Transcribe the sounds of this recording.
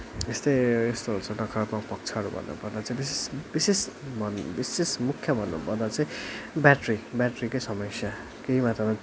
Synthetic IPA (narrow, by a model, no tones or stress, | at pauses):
est̪ʌjest̪oɦut͡sʰʌnʌkʰat̪makpʌk̚t͡sʰaʌɾubʱʌ̰nːṵpʌrd̪at͡saĩbisesbisesbʌnbisesmukʰjʌbʱʌnːṵpʌrd̪at͡saĩbjaʈribjaʈrikojsʌmʌksja | keɦimat̪rʌma